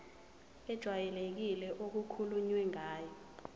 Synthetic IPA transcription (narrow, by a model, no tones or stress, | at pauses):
ɛd̥ʒ̥ʱwajɛlek̬ilɛʔok̬ukʰuluɲwɛŋaːjɔ